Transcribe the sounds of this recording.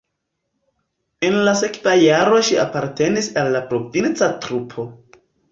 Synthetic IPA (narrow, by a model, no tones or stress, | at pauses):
e̞nlasekvajaɾo̞ʃiapaɾte̞nisalːapɾo̞vint͡satɾupʰo̞